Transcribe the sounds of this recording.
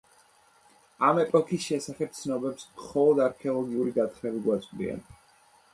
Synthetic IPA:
amɛpʼɔkʰisʃɛsaχɛp̚t̪sʰnɔbɛpsmχɔlˠɔd̪aɾkʰɛɔlˠɔɡiuɾiɡat̪χmɛbiɡwat̪sʼqʼd̪ḭa̰n

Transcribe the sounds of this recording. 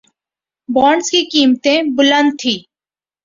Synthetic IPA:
bɔːɳɖskikiːmt̪ẽːbʊlə̃nd̪̚t̪ʰiː

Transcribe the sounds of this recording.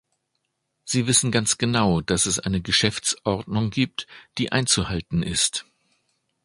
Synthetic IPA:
z̥iːvɪsn̩ɡant͡sɡ̥ənaʊd̥asɛsʔa̰ɪnəɡəʃɛft͡sʔɔʁdnʊŋɡiːp̚td̥iːʔa̰ɪnt͡suhaltn̩ɪst

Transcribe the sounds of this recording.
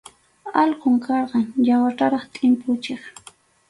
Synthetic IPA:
ɑlqoŋkɑɾɢɑŋjawaʈ͡ʂaɾɑχt̪ʼɪmpʰʊt͡ʃeχ

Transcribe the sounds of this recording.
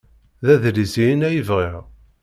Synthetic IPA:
ðæðɾizinæjəvʁiʁ

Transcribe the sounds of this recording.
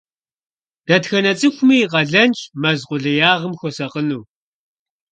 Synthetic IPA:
d̥ɐtxɐnɐt͡sʼɨxʷʊmiːʁɐɮɐnt͡ʃʼmɐzqʷʊɮɐjaːʁəmxʷɔsɐqənuː

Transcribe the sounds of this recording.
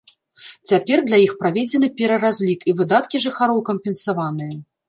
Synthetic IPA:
t͡sʲapʲɛrd̪lʲajixpɾavʲed͡zʲɛnɨpʲɛɾɐɾazʲlʲikivɨd̪at̪kʲiʐɨxaɾɔwkɐmpʲɛnsavanɨjɛ

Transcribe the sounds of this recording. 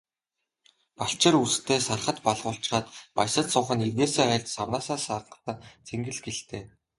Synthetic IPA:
paɬt͡ɕɪ̆rust̪ʰeːsarχə̆t̪paɮʁʊːɬt͡ɕ̆χaːt̪pajsə̆t̪sʊːχə̆nirɣeːseːχæ̆ɬʲt͡ɕ̪sawnaːsaːsarnə̥̆t̪ăt͡sʰeŋɡɘ̆ɮɡeɬt̪eː

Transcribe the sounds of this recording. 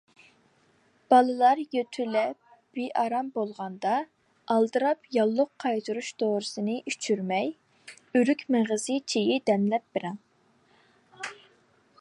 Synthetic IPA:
b̥ɑlˠɨlˠɑɾjøt̪ʰylɛp̚ | b̥eʔɑɾɑmbolˠʁɑnd̪ɑ | ɑlˠd̪ɨɾɑpjɑlˠːʊqʰːɑjt̪ʰuɾuʃd̪oɾɨsɨnɨʔyt͡ʃʰyɾmɛj | yɾykʲmeʁəzɨt͡ʃʰejɪd̪ɛnlɛp̚bɪɾɛŋ

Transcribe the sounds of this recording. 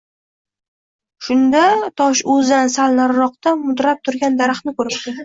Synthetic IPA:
ʃʊnd̪at̪ʰɒʃɵzansalˠnaɾːɒqt̪amʊd̪ɾap̚t̪ʰʊɾɡʲand̪aɾaχnɪkʰɵɾɪpt̪ɪ

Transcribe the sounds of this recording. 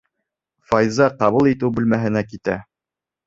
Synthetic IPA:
fɑjzɑqɑβulˠit̪ɘwbʉ̆lmæɦɘ̆nækit̪æ

